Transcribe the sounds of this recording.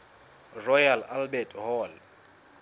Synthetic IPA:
rɔjalalbɛtʰʼɦɔl

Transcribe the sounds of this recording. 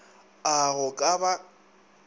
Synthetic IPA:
aɣʊkʼaba

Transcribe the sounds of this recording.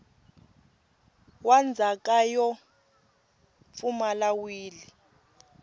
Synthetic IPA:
wand͡zʱakʼajɔ | fumalawiːli

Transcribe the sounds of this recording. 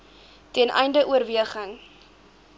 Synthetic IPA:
tɛnʔɛ̰jndəʔuərviəχəŋ

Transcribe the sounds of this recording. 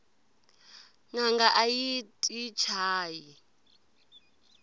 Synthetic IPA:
ŋaŋɡaʔajitʼit͡ʃʰaːji

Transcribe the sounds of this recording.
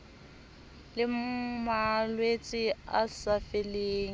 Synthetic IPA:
lɪmmalwet͡sʼɪa̰safeleːŋ̩

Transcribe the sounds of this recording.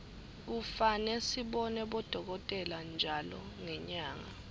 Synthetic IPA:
k̬ufanɛsiɓɔnɛɓɔd̥ʱɔk̬ɔtʼɛland͡ʒʱalɔ̰ | ŋɛɲaːŋa̰

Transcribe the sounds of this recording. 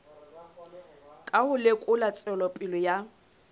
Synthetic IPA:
kʼahʊlekʼʊlat͡sʼɛlɔpʼɪlɔja

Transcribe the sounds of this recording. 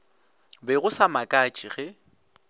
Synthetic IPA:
bɛɣʊsamakʼat͡ʃʼiɣɛ

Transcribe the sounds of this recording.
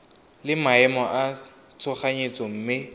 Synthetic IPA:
lɪmaɛmɔʔa | t͡sʰʊχaɲet͡sɔm̩ːmɪ

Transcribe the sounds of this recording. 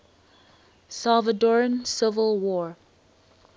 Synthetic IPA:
salˠvədɔɹə̃nsɪvəlˠwɔ

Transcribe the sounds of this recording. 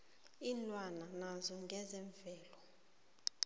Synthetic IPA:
inlwananazɔŋɡʱɛzɛɱvɛːlɔ

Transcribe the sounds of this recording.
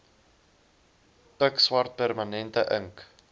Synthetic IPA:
pəkswɐrt̚pærmɐnɛntəʔəŋk

